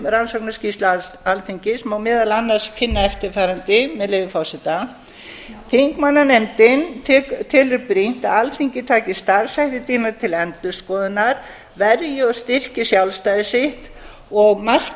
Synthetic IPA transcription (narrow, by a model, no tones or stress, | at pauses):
ransɔwknascist̪lʏalθiɲcɪsɛmawmɛːðalanːaɾ̥sfɪnːaɛft̪ɪɾfaːɾant̪ɪmɛðlɪːvɪfawsɪt̪a | θiŋkmanːanɛmt̪ɪnt̪ʰɛt̪ʰɛːlʏɾpɾin̥t̪aalθiɲcɪt̪ʰaːcɪst̪aɾ̥sajht̪ɪt̪ʰiːnat̪ʰɪlɛnt̪ʏskɔːðɪnːaɾ | vɛɾjɪɔst̪ɪr̥cɪsjawlst̪aːjðɪsɪht̪ | ɔɣmar̥